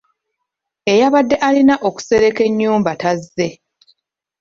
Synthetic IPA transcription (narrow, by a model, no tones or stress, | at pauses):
e̞jaβadːe̞ʔalinaʔo̞ku̥se̞ɾe̞ke̞ɲːuːmbatazːe̞